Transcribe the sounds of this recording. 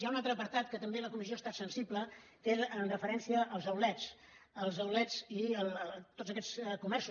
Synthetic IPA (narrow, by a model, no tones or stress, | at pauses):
aunalˠt̪ɾəpəɾt̪at̪kət̪əmbeləkumizioəst̪at̪sənsiblə | t̪eənrəfəɾɛnsiəːlˠzəwlɛt͡s | əlˠzəwlɛd͡ziət̪odzəkɛt͡skumɛɾsu